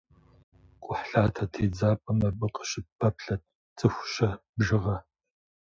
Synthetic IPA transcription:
kʷʼʊħɬaːtʰɐtʰeːd͡zaːpʼɐmɐbɨqə̥ɕʼɪpʰɐpɬɐt | t͡sʼɨxʷɕɐbʒɨʁɐ

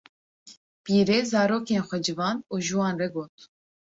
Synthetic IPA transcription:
piːɾeːzɑːɾoːkeːnxʷɛd͡ʒɨvɑːnuːʒuwɑːnrɛɡoːt̪

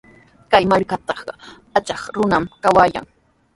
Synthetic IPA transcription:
kajmaɾkat̪ɑχɢɑ | at͡ʃɑχɾʊnamkawaːja̰ŋ

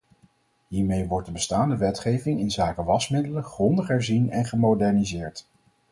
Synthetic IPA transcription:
ɦiːɹmejʋɔɹt̚dəbəstaːndəʋɛtχejvɪŋɪnzaːkəʋɑsmɪdələnχrɔndəχɦɛɹzinɛnχəmodɛɹnizɪːɹt

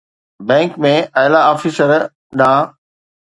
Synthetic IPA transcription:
bɛ̃ːŋkmẽʔaːjlaɔːfisəɾ | ɗãː

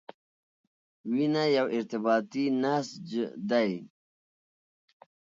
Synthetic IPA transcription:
winajawɪɾt̪ɪbɑːt̪inasd͡ʒd̪aj

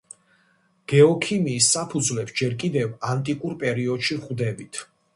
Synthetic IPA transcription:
ɡ̥ɛɔkʰimiːsːapʰud̪zvlɛpsd͡ʒɛɾkʼid̪ɛvant̪ʼikʼuɾpʼɛɾiɔd̪ʃivχvd̪ɛbit̪ʰ

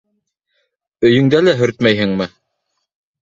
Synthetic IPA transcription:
ɵ̆jɵ̆ŋd̪ælæɦɵ̆ɾt̪mæjɦɘ̆ŋmɘ

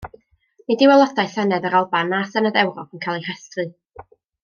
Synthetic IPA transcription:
nidɪwɛlˠɔdajɬɛnɛðəɾalˠbanːaːsɛnaðɛwɾɔpʰənkʰalˠir̥ɛstrɨ

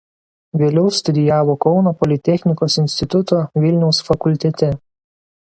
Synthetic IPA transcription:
ʋʲeːlʲɛʊst̪ʊd̪ʲɪjæːʋoːkɒʊnopɔlʲɪt̪ʲɛxʲnʲɪkoːsɪnʲsʲt̪ʲɪt̪ʊt̪oːʋʲɪlʲnʲɛʊsfɐkʊlʲt̪ʲɛt̪ʲɛ

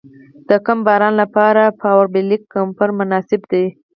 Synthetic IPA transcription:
d̪̥əkambɑɾɑnlapɑɾapɑwaɾbɪlikːampaɾmʊnɑsɪbd̪ej

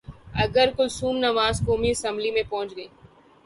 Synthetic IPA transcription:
ɐɡəɾkʊlsuːmnɐʋaːzkoːmiɪsə̃mblimẽpɐɦʊ̃t͡ʃɡəiː

